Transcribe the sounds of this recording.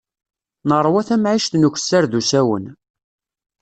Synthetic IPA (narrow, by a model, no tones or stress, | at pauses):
nəɾˤːwæθæmʕiʃt̪nuç̥sːaɾðusæwə̰n